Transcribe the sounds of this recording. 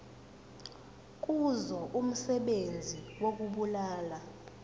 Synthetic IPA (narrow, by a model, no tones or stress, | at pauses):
k̬ʼuzɔʔum̩sɛɓend͡zʱiwok̬ʼuɓulaːla